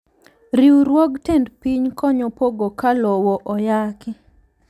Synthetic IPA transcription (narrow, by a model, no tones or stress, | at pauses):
ɾiwɾwɔɡtendpiɲkɔɲɔpoɡokalɔwɔʔɔjakɪ